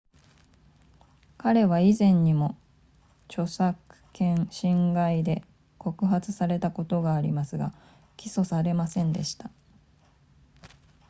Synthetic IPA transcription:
kaɾe̞βaizẽ̞ɲ̟ːimo̞ | t͡ɕo̞sakɯ̥kẽ̞ɰ̃ɕĩŋɡaid̪e̞ | ko̞kɯ̟ɦat͡sɨsaɾe̞t̪ako̞t̪o̞ɡaːɾʲimasɨɡa | kʲiso̞saɾe̞masẽ̞nd̪e̞ɕi̥t̪a

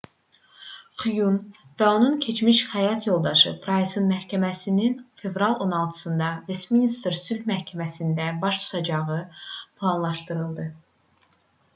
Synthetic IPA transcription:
χyjunvæo̞nuncʰe̞t͡ʃʰmiʃχæjɑt̪ʰjo̞lˠd̪ɑʃɯ̰pʰɾɑsesɯnmæhcʰæmæsininfe̞vɾɑlˠo̞nɑlˠt̪ʰɯ̥sɯnd̪ɑvesminist̪ɾsylhmæhcʰæmæsind̪æbɑʃt̪ʰu̥t̪ʰɑd͡ʒɑʁɯpʰlˠɑnlˠɑʃt̪ɯɾɯlˠd̪ɯ

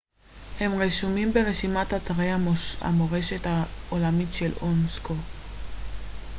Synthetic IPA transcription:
he̞mʁeʃumimbe̞ʁeʃimatataʁeaa̰moʁe̞ʃe̞taolamitʃelonsko

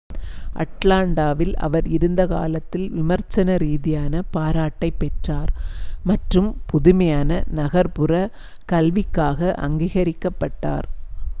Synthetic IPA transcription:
ʔɐ̰ʈlaːɳɖaːʋɪlɐ̰ʋɐɾɪɾɯnd̪ɐka̰ːlɐt̪ːɪlʋɪmɐɾt͡ʃɐnɐɾiːðɪjaːnɐpaːɾaːʈːɐɪpːɛʈraːɾmɐʈrɯmpʊðʊmɐjaːnɐnɐɣɐɾpɯrɐ | kɐlʋɪkːaːɣɐʔɐ̰ŋɡiːɣɐɾɪkːɐpːɐʈːa̰ːɾ

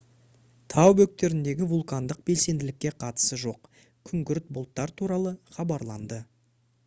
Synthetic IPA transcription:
t̪ʰɑwbɵk̚t̪e̞ɾɪnd̪e̞ɡʲɪvulˠkand̪əq̚b̥e̞lse̞nd̪ɪlɪkʲːe̞qʰɑt̪ə̥səʒo̞q | kʲʰʏŋɡʲʏɾɪt̪̚bʊlˠt̪ːɑɾt̪ʰuɾɑlˠəχɑbɑɾlˠɑ̰nd̪ə

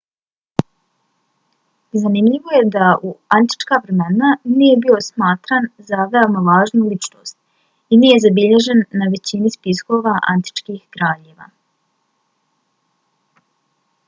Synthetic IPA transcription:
zanimʎiʋo̞je̞d̪aʔuant̪i̥t͡ʃkaːʋɾe̞me̞naniːje̞bio̞smaːt̪ɾaːnzaʋeo̞maʋaːʒnulit͡ʃno̰ːst̪ | iniːje̞zabiʎe̞ʒe̞nːaʋe̞t͡ɕinispisko̞ːʋaʔa̰nt̪i̥t͡ʃkiːxɡɾaːʎeʋa̰

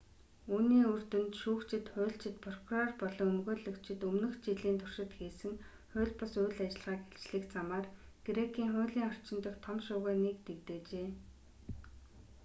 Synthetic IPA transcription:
uːniːɵr̥t̪ɵ̆nt̪ʃuːkt͡ɕʰɪ̆t̪χʊ̟ːɬt͡ɕɪ̆t̪pʰɔrkʰurɔrpɔɮɞ̆ŋɵmɣoːɮɵ̆kt͡ɕʰɪ̆t̪ɵmnɵ̆xt͡ɕiɮiːnt̪ʰʊr̥ʃɪ̆t̪xeːsɘ̆ŋ | χʊ̟ːɮpɔsʊːɮat͡ɕɪ̆ɮʁaːkeɬt͡ɕɮɘ̆kt͡samaːrɡ̥eɾekʰiːŋχʊ̟ːɮiːŋɔr̥t͡ɕɪ̆nt̪ə̆xt̪ʰɔmʃʊːɣaːnekt̪ekt̪eːt͡ɕeː

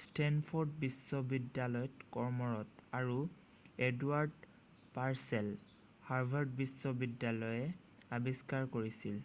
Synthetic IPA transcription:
stʰɛnpʰɔɹdbisːɔbidjalɔjɔtkɔɹmɔɹɔtaɹu | eduaɹd | paɹsɛl | haɹbʱaɹd̚bisːɔbidjalɔjɛ | abiskaɹkoɹisil

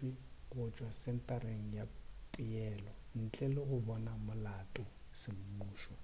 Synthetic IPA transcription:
wikʊt͡ʃʼwasɛntʼaɾeŋ̩japʼijɛːlɔn̩t͡ɬʼɛlɔɣʊβɔnamʊlatʼɔ | sɪm̩muːʃɔ

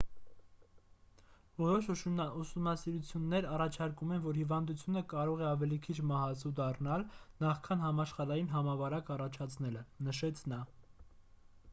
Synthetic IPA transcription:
vɔɾɔʃusumnɑsiɾut͡sʰjunːɛɾɑrɑt͡ʃʰɑɾkumɛnvɔɾhivɑnd̪ut͡sʰjunəkɑɾɔʁɛɑvɛlikʰit͡ʃʰmɑɦɑt͡sʰud̪ɑrnɑlnɑχkʰɑnɦɑmɑʃχɑɾɑjinɦɑmɑvɑɾɑkɑrɑt͡ʃʰɑt͡sʰnɛlənəʃɛt͡sʰnɑ

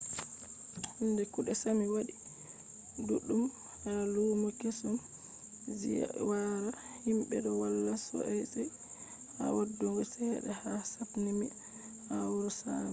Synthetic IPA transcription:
ndɛkuɗɛsamiwaɗi | duɗːum | haluːmɔkesum | zḭwaɾahimɓɛ̰ɗɔwalːasɔ̰ʔɛsɛ | ha̰wadːuŋɡɔsɛɗɛ̰hasapnimi | awuɾɔsaːnɛ

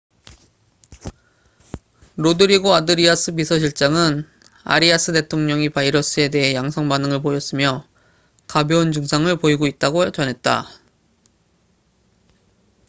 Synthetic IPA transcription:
ɾodɯɾiɡoadɯɾiasʰɯbisʰʌɕ̬ʰiɭt͡ɕ͈aŋɯn | a̰ɾiasʰɯte̞tʰoŋɲʌŋipaiɾʌs͈ʰɯe̞de̞ɦejaŋsʰʌŋbanɯŋɯɭpojʌs͈ɯmjʌ | kabjound͡ʑɯŋsʰaŋɯɭpoiɡoit̚t͈aɡot͡ɕʌnɦe̞t̚t͈a̰

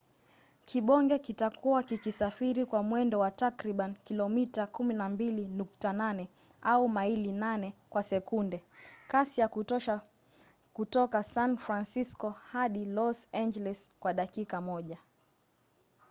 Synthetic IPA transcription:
kʰiɓɔŋɡɛkitakʰuwakikisafiɾikwamwɛndɔwatakɾiɓankilɔmitakuminambilinuk̚tananɛ | aumailinanɛkwasɛkundɛkasijakuɔʃa | kutɔkasanfɾansiskɔhaɗilɔsand͡ʒɛlɛskwaɗakikamɔʄa

